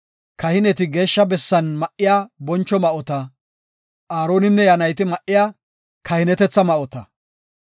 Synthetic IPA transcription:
kɐhɪnɛt̪ɪɡe̞ːʃːɐbɛsːɐnmɐʔɪjaːbɔnt͡ʃːɔmɐʔɔt̪ɐ | ʔaːɾo̞ːnɪnːɛjɐnɐjt̪ɪmɐʔːɪjaː | kɐhɪnɛt̪ɛt͡sːɐmɐʔɔt̪ɐ

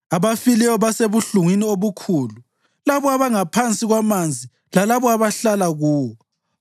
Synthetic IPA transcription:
aβafilɛjɔβaseβuɬuŋwinioβukʰuːlu | laβɔaβaŋapʰant͡sʼiɣwamand͡zʱi | lalaβɔaβaɬalaɣuːwɔɔ

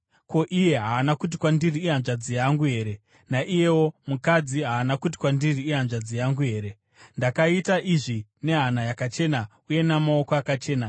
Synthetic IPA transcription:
ko̞ʔije̞ɦaːnakut̬ikwandiriːɦanʐad͡zijaŋɡuɦe̞ːɾe̞ | naʔije̞wo̞mukad͡ziɦaːnakut̬i̥kwandiriːɦanʐad͡zijaŋɡuɦe̞ːɾe̞ | ndakaitaʔiʐine̞ɦanajakat͡ʃe̞na | uje̞namao̞koakat͡ʃe̞ːna

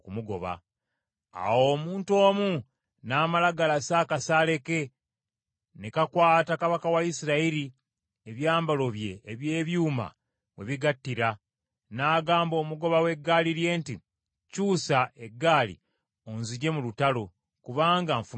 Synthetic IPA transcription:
kumuɡo̞̰βa̰ | a̰wo̞ːmuːnto̞ːmu | naːmalaɡalasaːkasaːle̞ke | ne̞kakwaːtakaβakawaisiɾaiɾi | eβjaːmbalo̞βje̞ːβje̞ːβjuːma̰ | we̞̰βiɡatːiɾa | naːɡaːmbo̞ːmuɡo̞βawe̞ɡːaːliɾje̞ːnti | cuːsaʔe̞ɡːaːlḭ | onziɟe̞mulutalo̞ | kuβaːŋɡaɱfu

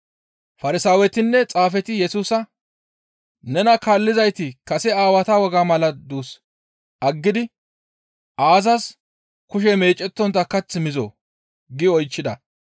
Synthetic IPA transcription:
fɐɾɪsaːwɛt̪ɪnːɛt͡sʼaːfɛt̪ɪjɛsuːsɐ | nɛnɐkaːlːɪzɐjt̪ɪkɐsɛaːwɐt̪ɐwɔɡamɐlɐd̪uːs | ʔɐɡːɪd̪ɪ | ʔaːzɐs | kʊʃɛme̞ːt͡ʃʼːɛt̪ːɔnt̪ːɐkɐt͡sːɪmɪzo̰ː | ɡɪɔjt͡ʃːɪd̪ɐ

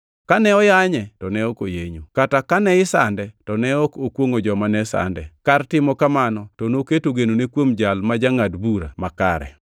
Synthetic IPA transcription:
kanɛɔjaɲɛtɔnɛokojeɲokatakanɛɪsandɛtɔnɛɔkokwoŋod͡ʒɔmanɛsa̰ndɛkartɪmɔkamanɔtɔnoketoɡenonekwomd͡ʒalmad͡ʒaŋadbuɾa̰maka̰ɾɛ̰

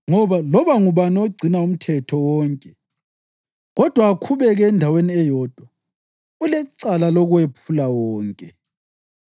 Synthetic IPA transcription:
ŋɔβalɔβaŋuβanoɡ͡ǀʱinaum̩tʰɛtʰɔwɔːŋkʼɛ | ɣɔd̥ʱwaːkʰuβɛɣɛːndʱaweniɛjɔd̥ʱwa | ulɛǀalalɔɣuwepʰulawɔːŋkʼɛ

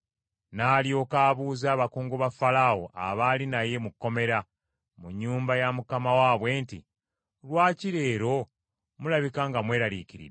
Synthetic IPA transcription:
naːlijo̞ːkaːβuːzaːβakuːŋɡuβafalawo̰ʔa̰βalinaje̞mukːo̞me̞ɾa | muɲːuːmbajamukamawaːβwe̞ːntḭ | lwaːciɾe̞ːɾo̞ | mulaβikaːŋɡamwe̞ːɾaliːciɾḭ

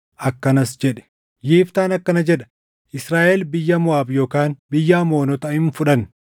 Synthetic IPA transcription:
ʔɐkːɐnɐsd͡ʒɛᶑɛ̥ | jiːft̪aːnɐkːɐnɐd͡ʒɛᶑɐ̥ | ʔɪsɾaːʔɛlbɪjːɐmʊaːbjo̞ːkaːnbɪjːaːmo̞ːnɔt̪ɐhɪnfʊᶑɐn

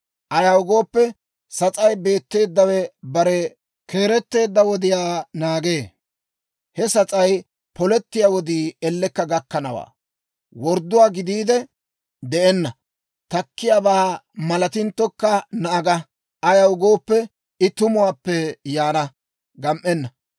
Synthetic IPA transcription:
ʔɐjɐwʊɡo̞ːpːɛ | sɐt͡sʼɐjbe̞ːt̪ːe̞ːd̪ːɐwɛbɐɾɛ | kʰe̞ːɾɛt̪ːe̞ːd̪ːɐwɔd̪ɪjaːnaːɡe̞ː | hɛsɐt͡sʼɐj | pɔlɛt̪ːɪjaːwɔd̪iːɛlːɛkːɐɡɐkːɐnɐwa̰ː | wɔɾd̪ʊwaːɡɪd̪iːd̪ɛ | d̪ɛʔɛnːɐ | t̪ɐkːɪjaːbaːmɐlɐt̪ɪnt̪ːɔkːɐnɐʔɐɡɐ | ɐjɐwʊɡo̞ːpːɛ | ɪt̪ʊmʊwaːpːɛjaːnɐ | ɡɐmʔɛnːɐ

